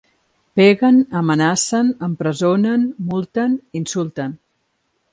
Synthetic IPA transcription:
peɣənəmənasənəmpɾəzonənmulˠt̪əninsulˠt̪ən

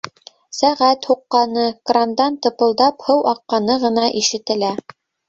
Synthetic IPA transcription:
sæʁæt̪huqːɑnɤkrand̪ɑnt̪ɤ̆pɤ̆lˠd̪ɑphɤwʔɑqːɑnɤʁɤ̆nɑʔiʃɘ̆t̪ɘ̆læ

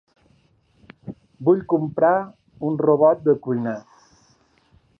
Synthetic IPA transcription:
buʎkumpɾa | unroβɔt̪̚d̪əkujna

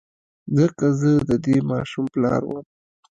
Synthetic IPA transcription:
zəkazəd̪əd̪emɑʃumplɑ̰ɾwəm

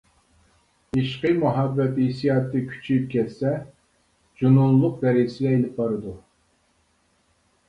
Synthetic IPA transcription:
iʃqəmuɦɑbːɛt̪isijɑːt̪ʰːɨkʲʰy̥t͡ʃʰyjyp̚kʲʰɛt̪sɛ | d͡ʒununlˠːʊq̚bɛɾisɪlɛelɪp̚bɑɾɨd̪u

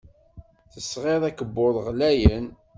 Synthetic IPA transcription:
θəsʁeðˤækəbːoðˤʁlæjən

